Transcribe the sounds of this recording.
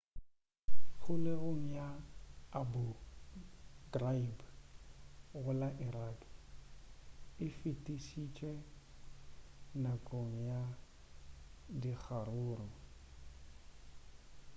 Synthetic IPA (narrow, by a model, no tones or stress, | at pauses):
ɣʊlɪɣoŋ̩jaabʊ | draib | ɣʊlaʔiɾaːk | ɪfɪtʼisit͡ʃʼɛ | nakʼoŋ̩ja | dik͡xʰaɾʊːrɔ